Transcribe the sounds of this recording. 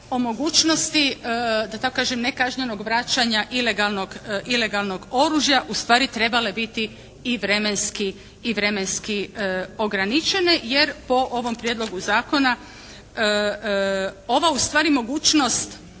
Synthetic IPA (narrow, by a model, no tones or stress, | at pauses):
o̞mo̞ɡuːt͡ʃno̞st̪id̪at̪akokaːʒemnekaʒɲe̞no̞ɡʋɾat͡ʃaɲaʔile̞ɡalˠno̞ɡʔile̞ɡalˠno̞ɡo̞ɾuʒjaʔust̪ʋaːɾit̪ɾe̞bale̞bit̪i | iʋɾe̞me̞nskiː | ʋɾe̞me̞nskio̞ɡɾanit͡ʃe̞ne̞jeɾpo̞ʔoʋo̞mpɾjed̪lo̞ɡuzaːko̞na | o̞ʋaust̪ʋaːɾimo̞ɡuːt͡ʃno̞st̪